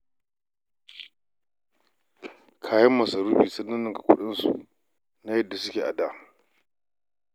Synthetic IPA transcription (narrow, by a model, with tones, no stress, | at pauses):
kʰaː˨jɐ˦mːɐ˨sɐ˨ɾuː˦biː˨sɐ˦nːɐ˦nːɪ˦˨ka˨kʷʊ̰˦ɗɪ˦nsṵ˨ʔ | na˦jɐ˦dːa˨sʊ˦kʲeː˨ʔa̰˨da˦